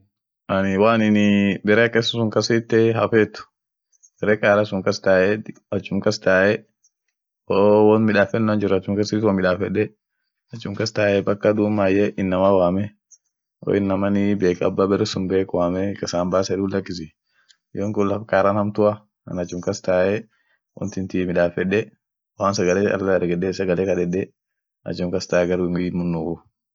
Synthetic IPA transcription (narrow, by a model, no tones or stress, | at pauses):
anɪwaːnɪnɪbɛɾeːkʼɛsɐsʊŋkɐsɪt̪ːɛɦɐfɛːt̪ʊ̥ | bɛɾɛːkʼaːɾasʊŋkɐst̪aːʔɛ | ɐt͡ʃːʊmkɐst̪aːʔɛ | oːwɔnmɪᶑaːfɛnːand͡ʒɪɾɐt͡ʃːʊmkɐsɪt̪wɐmɪᶑaːfɛᶑɛ | ɐt͡ʃːʊmkɐst̪aːʔɛbɐkːɐd̪uːmːaːjɛʔɪnːɐmawaːmɛ | o̰ːɪnːɐmɐnɪbeːkɐ̰bːaːbɛɾɛsʊmbeːkwaːmɛkɐsaːmbaːsɛd̪uːlɐkːɪsɪ | joːŋkʊlːɐfkʼaːɾanɐmt̪ʊɐ | ɐ̰nɐt͡ʃːʊmkɐst̪aːʔɛ | wɔ̰nt̪ɪnt̪imɪᶑaːfɛᶑɛ | waːnsɐɡɐlɛɐ̰lɛɾɡɛɗɛsɐɡɐleːkɐᶑɛᶑɛ | ɐ̰t͡ʃːʊmkɐst̪aːɛɡɐɾumɪmʊnːuʊ